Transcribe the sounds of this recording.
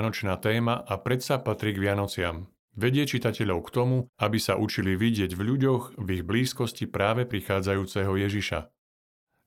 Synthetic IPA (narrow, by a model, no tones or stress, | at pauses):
nɔt͡ʃnaːt̪ɛːmaʔapɾɛt̪sapat̪ɾiːɡʋɪanɔt͡sɪa̰m | ʋɛɟɪɛt͡ʃit̪acɛʎɔʊkt̪ɔmuabisaʔut͡ʃiliʋiɟɪɛɟvʎuɟɔɣviɣbliːskɔscipɾaːʋɛpɾixaːd͡zajuːt͡sɛɦɔjɛʒiʃa̰